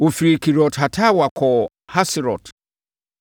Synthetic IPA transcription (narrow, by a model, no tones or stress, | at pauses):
ufɾikiɾɔthatʰawakɔ | hasiɾɔt